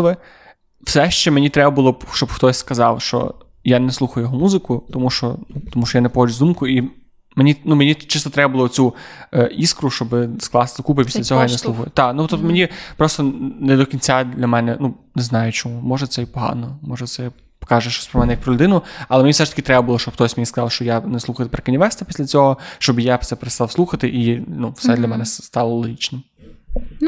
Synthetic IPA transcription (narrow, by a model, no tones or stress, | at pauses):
ʋɪ | w̥sɛʃt͡ʃɛmenʲit̪ɾɛbɐbʊlˠɔbʃt͡ʃɔbxt̪ɔsʲskɐzɑwʃt͡ʃɔ̰ | janɛslˠuxɐjʊjɔɦɔmuzɪkʊt̪ɔmuʃt͡ʃɔ̰nut̪ɔmuʃt͡ʃɔjanɛpɔxɔd͡ʒʲʊzd̪umkʊi | menʲinumenʲit͡ʃɪst̪ɔt̪ɾɛbɐbʊlˠɔt͡sʲu | iskɾʊʃt͡ʃɔbɪsklˠɑst̪ɪsɐkup̬ɪpʲi̥sʲɐt͡sʲɔɦɔjaneslˠuxɐjʊt̪ɑnut̪ɔpt̪ɔmenʲipɾɔst̪ɔned̪ɔkʲinʲt͡sʲad̪lʲɐmɛnɛnu | neznɑjʊt͡ʃɔmumɔʒɛt̪sɛjipɔɦɑ̰nɔmɔʒɛsɛ | pkɑʒɛʃt͡ʃɔ̥sʲpɾɔmɛnɛjɐkpɾɔlʲʊd̪ɪnʊɐlˠɛmenʲifsɛʃt̪ɐ̥kʲɪt̪ɾɛbɐbʊlˠɔʃt͡ʃɔbxt̪ɔsʲmʲejiskɐzɑwʃt͡ʃɔjaneslˠuxɐj̪pɾɐkɐnʲɪʋɛst̪ɐpʲi̥sʲlʲɐt͡sʲɔɦɔʃt͡ʃɔbjasɛpeɾest̪ɑlwsˠuxɐt̪ɪʔinufssɛd̪lʲɐmɛnɛst̪ɑlˠɔlˠɔɦʲit͡ʃnɪm